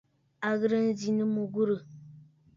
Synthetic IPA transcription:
a˨ɣɨ˦ɾɨ˦n̩˦zi˦nɨ˦mu˦ɡu˦ɾɨ˨

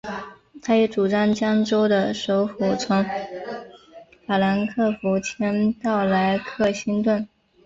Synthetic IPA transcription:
t̪ʰa˥jɛ˧˥ʈ͡ʂu˨˩ʈ͡ʂɑ˥˩ŋt͡ɕjɑ˥ŋʈ͡ʂo˥ʊd̪ə˨ʂo˧˥ʊfu˨˩t͡sʰʊ˧˥ŋ | fa˨˩la˧˥nkʰɤ˥˩fu˧˥t͡ɕʰjɛ˥nt̪ɑ˥˩ʊla˧˥ɪkʰɤ˥˩ɕi˥nt̪wə˥˩n

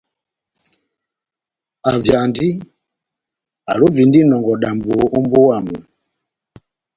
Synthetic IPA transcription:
a˨vja˨ndi˦ | a̰˨lu˦vi˨ndi˦nɔ˨ŋɡɔ˨ɗa˨mbo˨o˦mbo˦wa˦˨mu˨

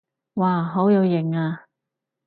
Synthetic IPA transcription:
waː˧ɦo˨˥wjɐ˨˧wjɪ˨˩ŋaː˧

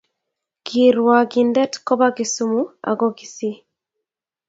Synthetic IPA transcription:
ki˨ɾwa˨ɡindɛ˦tkɔ˦βa˦ɡi˨sumu˦a̰˨ɡɔ˦ɡi˨si˦

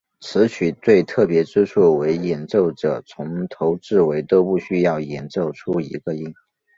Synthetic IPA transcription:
t͡sʰɹɻ̩˧˥t͡ɕʰy˨˩t͡swe˥˧ɪt̪ʰɤ˥˩pjɛ˧˥ʈ͡ʂɻ̩˥ʈ͡ʂʰu˥˩we˧˥ɪjɛ˨˩nʈ͡ʂo˥˩ʊʈ͡ʂɤ˨˩t͡sʰʊ˧˥ŋt̪ʰo˧˥ʊʈ͡ʂɻ̩˥˩we˧˥ɪt̪o˥ʊpu˥˩ɕy˥jɑ˥˩ʊjɛ˨˩nt͡so˥˩ʊʈ͡ʂʰu˥ḭ˧˥ɡə˧i˥˩ŋ

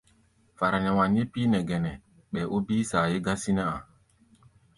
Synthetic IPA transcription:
fa˨ɾa˨nɛ˨wa˨n˦je˦piː˦nɛ˨ɡɛ˨nɛ˨ | ɓɛ˨ʔo˦biː˦saː˨je˦ɡa˦si˦na˦a˨

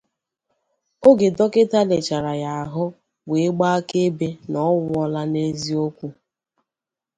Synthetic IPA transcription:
o˦ɡe˨dɔ˦kɪ˦ta˦le˨t͡ʃa˨ɾa˨ja˨a˨ɦʊ˦ | we˨˦ɡ͡ba˦a˦ke˦be˦nɔ˦wɔ˦la˦ne˦zi˦o˦kʷu˦

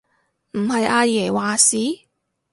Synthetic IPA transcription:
m̩˨˩hɐ˨jʔaː˧jɛː˨˩waː˨siː˨˥

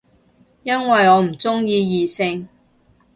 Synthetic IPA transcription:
jɐ˥nwɐ˨jɔː˨˧m̩˨˩t͡sʊ˥ŋjiː˧jiː˨˧sɪ˧ŋ

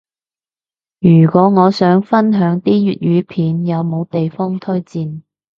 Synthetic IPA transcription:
jyː˨˩kwɔː˨˥ŋɔː˨˧sœː˨˥ŋfɐ˥nɦœː˨˥ŋt̪iː˥jyː˨t̚jyː˨˧pʰiː˨njɐ˨˧wmo˨˧wt̪e˨jfɔː˥ŋt̪ʰɵ˥ɥt͡siː˧n

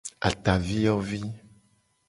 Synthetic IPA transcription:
a̰˨t̪a˨vi˦jɔ˦vi˦

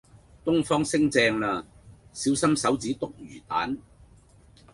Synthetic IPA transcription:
t̪ʊ˥ŋfɔː˥ŋsɪ˥ŋt͡sɛː˧ŋlaː˧siː˨˥wsɐ˥msɐ˨˥wt͡siː˨˥t̪ʊ˥k̚jyː˨˩t̪a̰ː˨˥n

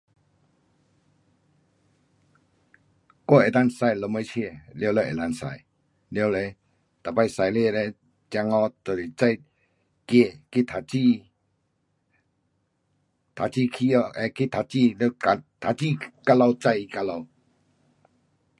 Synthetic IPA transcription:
kɔ˦˧˨e˨t̪a˦˧˨nsa˧˨jlɔ˧mə˧˦t͡ɕʰe˥˧˨ljo˧wlə˧ʔḛ˨t̪a˧˨nsa̰˨j | ljo˧wle˧ | t̪a˨pa˧jsa˨jle˧˨le˧ | t͡ɕa˧ŋɔ˧t̪ə˨ɾi˨t͡sa˥˧˨j | ke˥˧˨ki˦t̪ʰa˨t͡ɕi˧ | t̪ʰa˨t͡ɕi˥˧˨kʰi˦ɔ˧ɛ˧ki˦t̪ʰa˨t͡ɕi˦˧˨la˧t̪ʰa˨t͡ɕi˥˧ka˧˦lɔ˧wt͡sa˧ji˧ka˧lɔ˧w

